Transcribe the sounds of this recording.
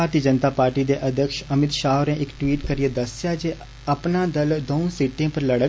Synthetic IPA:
aɾt̪iːəd͡ʒənt̪aːpaːɾʈiːd̪eːʔəd̪ʱjəkʃəmɪt̪ʃaːɾɛ̃ːʔɪkʈwiːʈkəɾijeːd̪əsjaːd͡ʒeː | əpnaːd̪əld̪oːõsiːʈːẽːpəɾləɽə

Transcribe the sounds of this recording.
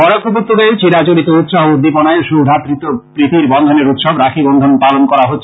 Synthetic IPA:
ɔɾokʰːoput̪ːoɡeɾt͡ɕiɾat͡ɕoɾit̪out̪ʃaɦoud̪ːipɔnaeʃud̪ʱapɾit̪ːopɾit̪iɾbɔnd̪ʱoneɾut̪ʃɔbɾakʰibɔnd̪ʱonpalonkɔɾaɦotːɕʰ

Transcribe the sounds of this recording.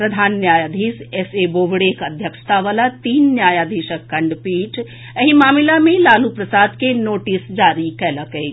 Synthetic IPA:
pɾɐd̪ʱaːnːjaːjaːd̪ʱiːseseboːʋɽeːkɐd̪ʱjəkʂə̥t̪ʰaʋaːlat̪iːnːjaːjaːd̪ʱiʃəkːɐɳɖpiːʈʰ | əɦimaːmilamẽlaːlupɾɐsaːd̪kenoːʈisd͡ʒaːɾikɐɦləkəi

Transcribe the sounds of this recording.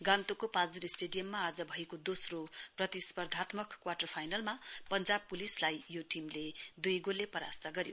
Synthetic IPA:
ɡãnt̪okopad͡zuɾesʈeɖijʌmːaːd͡zʌbʱʌjkod̪osroprʌt̪ispʌrd̪ʱat̪mʌkkːwaʈʌrpʰajnalmapʌnd͡zab̚pulislajjoʈimled̪ujɡolːepʌɾast̪aɡʌɾjo

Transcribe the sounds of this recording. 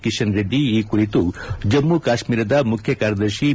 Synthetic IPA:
kiʃɐnɾed̪iiːkuɾit̪ud͡ʒɐmːukaːʃmiːɾɐd̪ɐmukʰjɐkaːɾɐd̪ɐɾʃi

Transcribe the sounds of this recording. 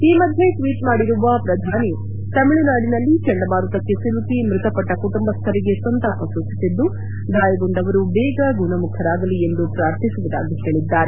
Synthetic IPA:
iːmɐd̪ʱjeʈʋiːʈmaːɽiɾuʋɐpɾɐd̪ʱaːni | t̪ɐmiɭunaːɽinɐlːit͡ʃɐɳɖɐbaːɾut̪ɐkːe̞siɾut̪imɾɪt̪ɐpɐʈːɐkuʈumbɐst̪ʰɐɾiɡesɐnt̪ɐʔɐsuːt͡ʃisid̪ːu | d̪aːjɐɡoɳɖ̪ɐʋɐɾubɛːɡɐɡunɐmukʰɐɾaːɡɐliend̪upɾaːɾt̪ʰisuʋud̪a̰ːɡiɦeːɭid̪ːaːɾe

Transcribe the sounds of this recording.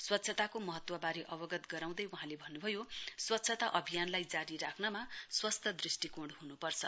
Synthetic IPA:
swʌt̪ːsʰʌt̪akomʌɦʌt̪wʌbaɾeʔʌbʌɡʌt̪ɡʌɾaw̃d̪ʌjwuɦãlebʱʌnːubʱʌjoswʌt̪ːsʰʌt̪aʔʌbʱijanlajd͡zaɾiɾakʰnʌmaswʌst̪ʰʌd̪risʈikoɽhunupʌrt͡sʰʌ

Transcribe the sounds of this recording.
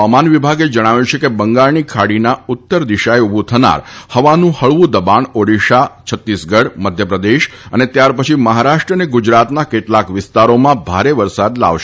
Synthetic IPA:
amanʋibʱaɡed͡ʒəɽ̃aʋjũt͡ʃʰekebəŋɡaɭnikʰaɽinaʊt̪ːəɾd̪iʃaeubũt̪ʰəna̰ɾhəʋanũhəɭʋũd̪əbaɳoɽiʃat͡ʃʰət̪ːisɡəɽməd̪ʱjəpɾəd̪eʃənet̪jaɾpət͡ʃʰiməɦaɾaʃʈɾəneɡud͡ʒɾat̪nakeʈlakʋɪst̪aɾomãbʱaɾeʋəɾsad̪la̰ʋʃe

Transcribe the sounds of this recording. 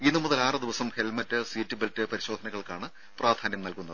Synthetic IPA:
inːumuðɐlaːrɨd̪iʋɐsɐmhelmɐtːɨsiːtːibeltːɨpɐɾiɕo̞ːd̪ʱɐnɐɣɐɭkaːɳɨ | praːd̪ʱaːnjɐmnɐlkunːɐðɨɨ

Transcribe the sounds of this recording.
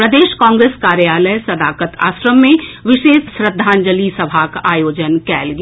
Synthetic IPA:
pɾɐd̪eːʃkãːŋɡɾeːskaːɾjaːləjsɐd̪aːkət̪a̰ːsɾəmːẽʋɪʃeːd̪ʃɾəd̪ʱːaːnd͡ʒəlisɐbʱakaːjoːd͡ʒənkɛːlɡ

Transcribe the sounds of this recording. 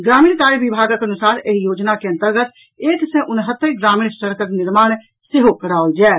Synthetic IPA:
ɡɾaːmiːnkaːɾibibʱaːɡəkɐnʊsaːɾeɦijoːd͡ʒnakeɐ̃nt̪əɾɡət̪ | eːksẽʔʊnɦət̪ːəɡɾaːmiːɳsəɾkəknɪɾmaːɽ̃ | seɦokəɾaːod͡ʒɛː

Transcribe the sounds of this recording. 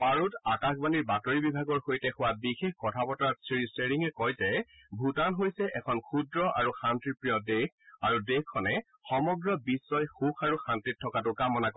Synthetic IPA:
paɹutakaxbaniɹbatoɹibibʱaɡɔɹxojtɛxʊwabixexkɔtʰapɔtaɹsiɹiseɹiŋɛkɔjzɛbʱutanɦojsɛʔɛkʰɔnkʰudɹɔʔa̰ɹuxantɹiɹpɹijɔdekʰaɹudekkʰːɔnɛ | xɔmɔɡɹɔbisːɔjxukʰaɹuxantɹitʰːɔkat̬ʊkamɔnako

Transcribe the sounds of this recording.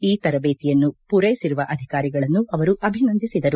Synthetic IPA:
iːt̪ɐɾɐbeːt̪ijɐnːupuɾɐjisiɾuʋɐʔɐd̪ʱikaːɾiɡɐɭɐnːuʔɐʋɐɾuɐbʱinɐnd̪isid̪ɐɾu

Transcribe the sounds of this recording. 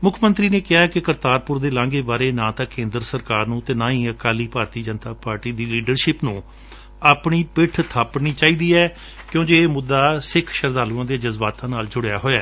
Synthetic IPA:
mʊkʰmə̃nt̪ɾiːneːkɪɦaːkɪkəɾt̪aːɾpʊɾd̪eːlãːŋɡeːbaːɾeːnãːt̪ãːkẽːnd̪əɾsəɾkaːɾnũːt̪eːnãːĩːəkaːliːpaːɾt̪iːd͡ʒənt̪aːpaːɾʈiːd̪iːliːɖəɾʃɪpnũː | aːpɳiːpɪʈʰt̪ʰaːpɳiːt͡ʃaːiːd̪iːɛː | kjõːd͡ʒeːeːmʊd̪ːaːsɪkʰʃəɾd̪aːluãːd̪eːd͡ʒəzbaːt̪ãːnaːld͡ʒʊɽja̰ːɦoːaː

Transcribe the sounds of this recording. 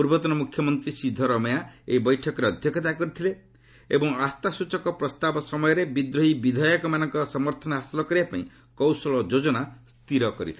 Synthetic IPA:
puɾbɔt̪ɔnɔmukʰjɔmɔnt̪ɾisid̪ʱɔɾɔmɔjaeibɔjʈʰɔkɔɾeɔd̪ʱjɔkɔt̪akɔɾit̪ʰile | ebɔŋast̪asut͡ʃɔkɔpɾɔst̪abɔsɔmɔjɔɾebid̪ɾoɦibid̪ʱɔjɔkɔmanɔŋkɔsɔmɔɾt̪ʰɔnɔɦasilɔkɔɾiapaḭ̃ | kɔwsɔlɔd͡ʒod͡ʒɔnast̪iɾɔkɔɾḭt̪ʰi

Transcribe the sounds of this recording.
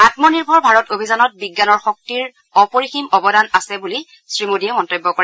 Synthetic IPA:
atmɔniɹbʱɔɹbʱaɹɔtobʱizanɔt̚biɡːanɔɹxɔk̚tiɹ | ɔpoɹiximɔbɔdanasɛbuli | sɹimodiɛmɔntojbːɔkɔɹɛ

